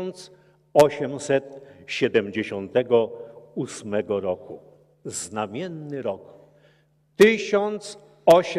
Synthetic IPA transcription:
nt̪s | ɔɕɛmsɛt̪ɕɛd̪ɛmd͡ʑeɕɔnt̪ɛɡɔusmɛɡɔɾɔku | znamʲjɛnːɘɾɔk | t̪ɪɕɔnt̪s | ɔɕ

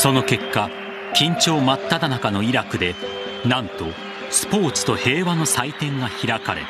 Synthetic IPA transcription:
so̞no̞ke̞kːa | kʲĩɲ̟t͡ɕo̞ːmat̪ːad̪anakano̞iɾakɯ̟d̪e̞ | nãnt̪o̞ | sɨ̥po̞ːt͡sɨ̥t̪o̞he̞ːβano̞sait̪ẽ̞ŋɡaçiɾakaɾe

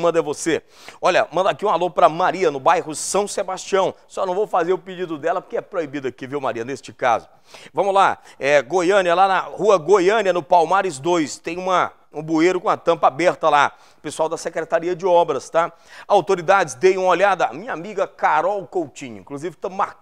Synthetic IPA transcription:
mɐ̃nd̪ɐvose | ɔʎɐmɐ̃nd̪akiũalõpɾɐmaɾiɐnʊbajɦʊsɐ̃w̃sebast͡ʃiɐ̃w̃sɔnɐ̃w̃vowfazeɾʊpid͡ʒid̪ʊd̪ɛlɐpoɾkeɛpɾoibid̪ɐkɪviwma̰ɾiɐnest͡ʃɪka̰zʊ | vɐ̃mʊlaɛɡojɐ̃niɐlanɐhuɐɡojɐ̃niɐnʊpawmaɾɪzd̪ojst̪ẽj̃ũmɐ | ũbueɾʊkõɐt̪ɐ̃mpɐabɛɾt̪ɐla | pesuawd̪ɐsekɾet̪aɾiɐd͡ʒɪɔbɾɐst̪a | awt̪oɾid̪ad͡ʒɪzd̪ejũmɐolad̪ɐa̰mĩɲɐamiɡɐkaɾɔwkowt͡ʃĩɲʊĩkluzivɪt̪ɐ̃ma

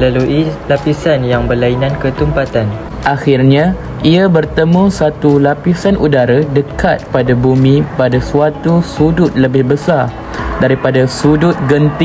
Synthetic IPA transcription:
laluʔilapisanjaŋbərlainankət̪umpat̪an | ʔaxɪrɲã | iabərt̪əmũsat̪ulapisanʔudaɾadəkat̪̚padabumĩpadasuat̪usudʊt̪̚ləbɪhbəsar | daɾipadasudʊt̪̚ɡənt̪i

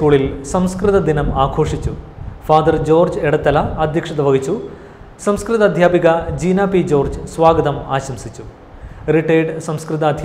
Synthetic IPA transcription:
kuːɭilsɐmskrɨt̪ɐd̪inɐmaːkʰo̞ːʂit͡ɕːufaːd̪ɐrd͡ʑo̞ːrd͡ʑeɽɐt̪ːɐlɐɐd̪ʱjɐkʂɐd̪ɐʋɐɣit͡ɕːu | sɐmskrɨt̪ɐd̪ʱjaːbiɣɐd͡ʑiːnaːpid͡ʑoːrd͡ʑsʋaːɡɐd̪ɐmaːɕɐmsit͡ɕːu | riʈːeːɖsɐmskrɨt̪ɐːd̪ʱj

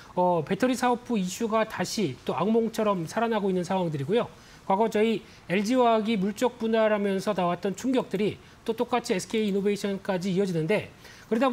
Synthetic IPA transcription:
ʌpe̞tʰʌɾisʰaop͈̚ʰuiɕʰuɡataɕʰit͈oaŋmoŋt͡ɕʰʌɾʌmsʰaɾanɦaɡoinːɯnsʰaŋwaŋdɯɾiɡojo | kwaɡʌt͡ɕʌi | e̞ɭd͡ʑiwaɡimuɭt͡ɕ͈ʌk̚p͈unaɾamjʌnsʰʌnawat̚t͈ʌnt͡ɕʰuŋɡjʌk̚t͈ɯɾi | t͈ot͈ok͈at͡ɕʰiesʰɯ̥kʰe̞iːnobe̞iɕʰʌnk͈ad͡ʑiːʌd͡ʑinɯnde̞ | kɯɾeda

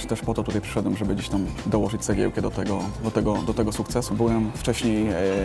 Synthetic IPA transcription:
t̪ɛʂpɔt̪ɔt̪ut̪ajpʂɛ̥ʂɛd̪wɛmʐɛbɘd͡ʑeɕt̪amd̪ɔwɔʐɘt͡ɕʲsɛɡʲɛ̰wkɛd̪ɔt̪ɛɡɔd̪ɔt̪ɛɡɔd̪ɔt̪ɛɡɔsukt̪sɛsubɘwɛmft͡ʂɛɕɲej

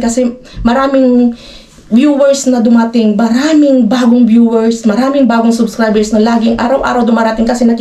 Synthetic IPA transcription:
kɐsɛ | mɐɾaːmɪŋ | bjuːwɛɹsnɐd̪ʊmat̪ɪŋmɐɾaːmɪŋbaːɡoŋbjuːwɛɹsmɐɾaːmɪŋbaːɡoŋsʊbskɹajbɛɹsnolaːɡɪŋʔaːɾɐwʔa̰ːɾɐwd̪ʊmaːɾɐt̪ɪŋkɐsɛnɐk

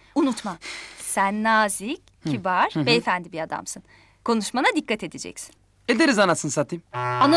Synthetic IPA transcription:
unut̪masænːaːzic | cʰibaɾ̥vɛefænd̪ibiad̪a̰msɯn | kʰo̞nuʃmanad̪ikʰːat̪ʰe̞d̪ed͡ʒɛ̰csi̥n | ed̪eɾizanat̪sɯnsat̪ʰimana

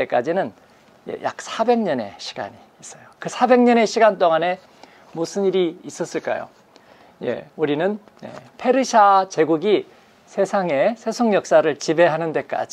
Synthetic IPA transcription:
ek͈ad͡ʑinɯn | jḛjʔa̰k̚sʰabe̞ŋɲʌne̞̰ɕʰi̥ɡ̥a̰ɲiːs͈ʌjokɯsʰabe̞ŋɲʌne̞ɕʰiɡant͈oŋane̞ | musʰɯniɾiis͈ʌs͈ɯɭk͈a̰jo̰ | je̞̰uɾinɯn | jḛpʰe̞ɾɯɕʰat͡ɕe̞ɡuɡi | sʰe̞sʰaŋe̞sʰe̞sʰoŋjʌk̚s͈aɾɯɭt͡ɕibe̞ɦanɯnde̞k͈a̰d͡ʑi

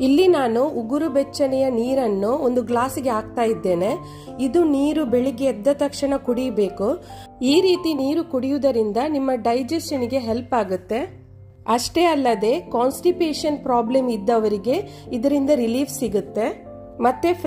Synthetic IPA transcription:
ilːinaːnuːɡuɾubɛt͡ʃːɐnɛjɐniːɾɐnːuond̪uɡlaːsiɡeaːɡ̚t̪aːjid̪ːe̞ːne̞ | id̪uniːɾubeɭiɡeːd̪ːɐt̪ɐkʂɐɳɐkuɽijbe̞ːkuiːɾiːt̪iniːɾukuɽijud̪ɐɾind̪ɐnimːɐɖɐjd͡ʒesʃɐniɡe̞ɦelpaːɡut̪ːe̞ | ɐʂʈe̞ɐlːɐd̪e̞kaːnsʈiʈeːʂɐnpɾaːblemid̪ːɐʋɐɾiɡe̞ | id̪ɐɾind̪ɐɾiliːʋsiɡut̪ːe̞ | mɐt̪ːe

